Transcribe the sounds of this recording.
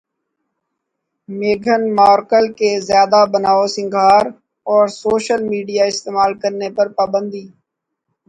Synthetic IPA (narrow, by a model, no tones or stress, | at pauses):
meːɡʱənmaːɾkəlkezjaːd̪abənaːosɪ̃ŋɡʱaːɾ | ɔːɾsoːʃəlmiːɖijaɪst̪eːmaːlkəɾnepɐɾpaːbə̃nd̪iː